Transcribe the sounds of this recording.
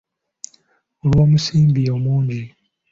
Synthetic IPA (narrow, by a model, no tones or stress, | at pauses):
olwoːmusiːmbijomuːne